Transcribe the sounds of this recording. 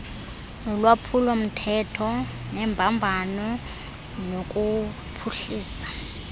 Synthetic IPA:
nɔlwapʰulom̩tʰɛtʰɔnɛmbʱambʱanɔ | nokʼu | pʰuɬiːsḁ

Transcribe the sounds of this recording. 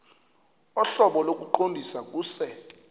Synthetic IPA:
ɔɬɔɓɔlok̬ʼuǃondʱisak̬uːsɛ

